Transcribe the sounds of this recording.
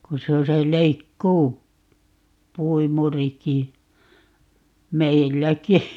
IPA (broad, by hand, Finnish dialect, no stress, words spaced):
ku se o se leikːuː puimuriki meilːæki